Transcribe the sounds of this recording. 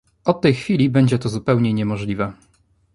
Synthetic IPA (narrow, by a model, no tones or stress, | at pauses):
ɔt̪ːɛjxfʲilʲibɛɲd͡ʑɛt̪ɔzupɛwɲɛɲɛmɔʐlʲivɛ